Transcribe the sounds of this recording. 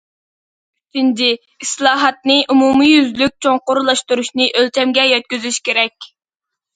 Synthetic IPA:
ind̪ɪ | islˠɑːɦɑt̪̚nɨʔumumijyzlyk̚ʲt͡ʃʰoŋqoɾlˠɑʃt̪uɾuʃnɨʔølt͡ʃʰɛmɡʲɛjɛt̪̚kʲyzyʃkʲʰeɾɛkʲ

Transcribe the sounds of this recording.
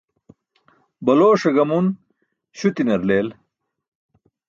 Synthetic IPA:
bɐloːʂɐɡɐmun | ɕut̪inɐɾleːl

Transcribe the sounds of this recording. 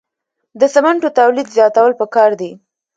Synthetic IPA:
d̪əsamaɳʈot̪awlid̪zjɑt̪awəlpəkɑɾd̪i

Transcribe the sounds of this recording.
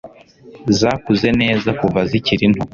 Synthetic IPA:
zaːkuze̞ne̞ːzakuvaziciɾin̥hu

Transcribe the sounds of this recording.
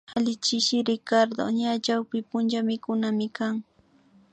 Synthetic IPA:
alɪt͡ʃɪʃɪɾɪkaɾd̪o̰ɲat͡ʃawpɪpʊnt͡ʃamɪkʊnamɪkaŋ

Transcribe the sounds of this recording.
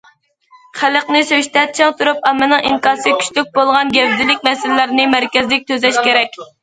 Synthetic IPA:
χæləqnɨsøʃt̪ʰɛt̚t͡ʃʰɪŋt̪ʰuɾupɑmɨnɨŋʔiŋkɑːsɨkʲʰy̥ʃt̪yk̚ʲbolˠʁɑnɡʲɛvd̪ɪlɪkʲmɛsɪlːɪɾnɪmæɾkʲɛzlɪk̚ʲt̪ʰøzɛʃkʲeɾɛkʲ

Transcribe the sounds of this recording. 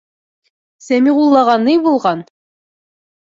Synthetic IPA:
sæmiʁulˠːɑʁɑnɤjbulˠʁɑn

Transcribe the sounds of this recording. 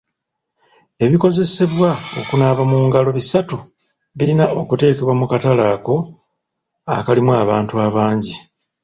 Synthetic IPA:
e̞βiko̞ze̞se̞βwao̞̰kunaβamuːŋɡalo̞βisatu | βilinao̞kute̞ːke̞βwamukatalaːko̞ | a̰kalimwaːβaːntuaβaːɲɟi

